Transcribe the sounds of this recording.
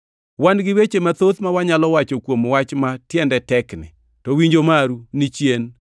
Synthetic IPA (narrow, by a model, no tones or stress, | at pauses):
wanɡɪwet͡ʃemat̪ot̪mawaɲalɔwat͡ʃokwomwat͡ʃmatjɛndɛtɛknɪ̰ | tɔwiɲd͡ʒomaɾunit͡ʃjen